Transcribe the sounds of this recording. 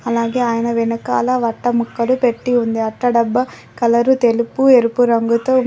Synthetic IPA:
ɐlaːɡe̞ːaːjɐnɐʋinɐka̰ːlɐʋɐʈːɐmukːɐlupe̞ʈːiund̪iɐʈːɐɖɐbːɐ | kɐlɐɾut̪elupueɾupuɾɐŋɡut̪oː

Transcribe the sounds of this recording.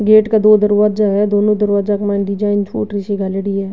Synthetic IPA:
ɡeːʈkad̪oːd̪əɾʋaːd͡ʒaɦɛd̪oːnõd̪əɾʋaːzakɐmãːɳɖid͡ʒaːɪnt͡ʃʰo̰ːʈɾɪʃiɡaləɽiɦɛː

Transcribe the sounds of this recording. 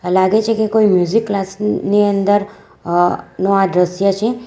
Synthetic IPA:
laɡet͡ʃʰekekoimjuzikːlasniənd̪əɾ | noaɖɾəsjət͡ʃʰe

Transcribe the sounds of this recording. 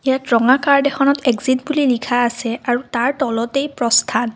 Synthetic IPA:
ijatɹɔŋakaɹdɛxɔnɔteɡzitbulilikʰaːsɛaɹutaɹtɔlɔtejpɹɔstʰan

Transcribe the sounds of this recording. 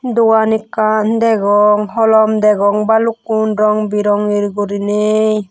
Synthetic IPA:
d̪uwanikand̪ɛɡɔŋɦɔlɔmd̪ɛɡɔŋbaluk̚unɾɔŋbiɾɔŋiɾɡuɾinej

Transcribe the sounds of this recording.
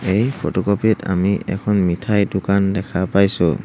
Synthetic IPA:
ejpʰotɔkɔpitʰa̰miʔɛ̰kʰɔnmitʰajdʊkandɛkʰapajsʊ̰

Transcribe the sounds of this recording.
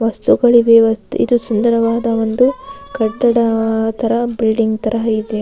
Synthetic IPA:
ʋɐst̪uɡɐɭiʋeʋɐst̪ṵʔḭd̪usund̪ɐɾɐʋaːd̪ɐʋo̞nd̪ukɐʈːɐɽɐt̪ʰɐɾɐbilɖiŋɡt̪ɐɾɐɦɐid̪e

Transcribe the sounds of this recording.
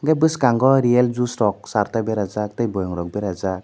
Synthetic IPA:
ɡabɯskaŋɡɔɾield͡ʒustɔk̚saɾtabeɾazak̚tajbɔjɔŋɾɔk̚bɛɾaza

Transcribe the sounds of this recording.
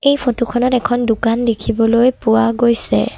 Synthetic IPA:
ejpʰotukʰɔnɔtɛkʰɔndukanlekʰibɔlojpʊwaɡojsɛ̰

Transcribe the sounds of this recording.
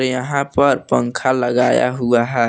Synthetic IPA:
ɾjɐɦãpəɾpə̃ŋkʰaləɡaːja̰ɦuaɦɛː

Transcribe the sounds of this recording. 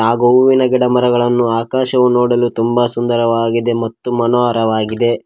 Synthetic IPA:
aːɡoʋinɐɡɛɽɐmɐɾɐɡɐɭɐnːuaːkaːʃɐʋunoːɽɐlut̪umbasund̪ɐɾɐʋaːɡid̪e̞mɐt̪ːumɐnoɐɾɐʋaːɡid̪e̞

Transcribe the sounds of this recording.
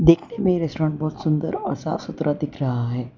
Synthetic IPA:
d̪eːkʰnemẽɾesʈɾãːɳʈ̚bɔːt̪sʊnd̪ə̰ɾɔɾsa̰sut̪ɾad̪ɪkʰɾɐɦaɦɛː

